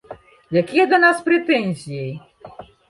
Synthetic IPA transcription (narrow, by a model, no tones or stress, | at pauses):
jakʲijɛd̪lanaspɾɛt̪ɛnʲzʲijej